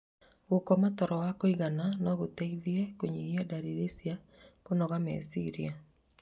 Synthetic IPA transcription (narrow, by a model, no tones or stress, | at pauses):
ɣokɔmatɔɾɔwakoiɣananɔɣoteiðiekoɲiiadaɾiɾesia | konɔɣamḛsiɾia